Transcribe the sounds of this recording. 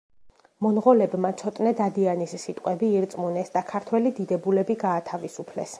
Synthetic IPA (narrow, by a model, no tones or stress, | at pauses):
mɔnʁɔlɛbmat̪sʰɔt̪ʼnɛd̪ad̪ianisːit̪ʼqʼwɛbiːɾt̪sʼmunɛsd̪akʰaɾt̪ʰwɛlid̪id̪ɛbulɛbiɡaːt̪ʰavisupʰlɛ̰s